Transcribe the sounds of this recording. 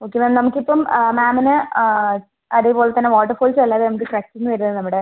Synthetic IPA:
o̞ːkːemamnɐmukːipːɐmmaːmɐnɨ | ɐðeːpo̞ːlet̪ːɐnːeʋaːʈːɐrfoːlsɐlːaːðɨnɐmukːɨʈrak̚ʈːiŋːʋɐɾunɐðɨnɐmːuɽe

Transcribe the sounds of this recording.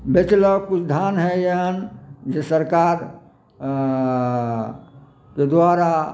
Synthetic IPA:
bet͡ʃləkʊt͡ʃʰd̪ʱanɦɛjeɦənd͡ʒesəɾkaɾ | ked̪waɾa

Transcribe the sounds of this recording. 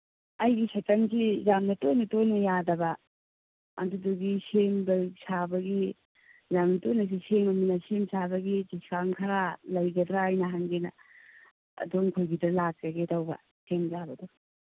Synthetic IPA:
ɐjɡisɐtɐŋsizamnɐtojnɐtojnɐjadɐbɐ | ɐ̰duduɡisemdɐsabɐɡi | zamnɐtojnɐs̬isemɐminɐsemsabɐɡiziskaŋkʰɐɾalɐjɡɐdɾaajnɐɦaŋɡenɐ̰ | ɐ̰doŋkʰojɡidɐlak̚tɐɡetɐwbɐ̰ | semzabɐdu

